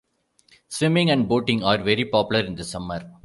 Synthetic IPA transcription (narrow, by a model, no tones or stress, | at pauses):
sʋɪ̃mɪ̃ŋæ̃ɳɖ̚boːʈɪ̃ŋaːɾʋɛɾipɔːpjʊləɾɪ̃nd̪ɐsɐməɾ